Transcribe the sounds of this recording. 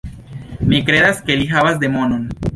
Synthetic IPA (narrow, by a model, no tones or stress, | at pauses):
mekɾeðaskelixaβazd̪emonon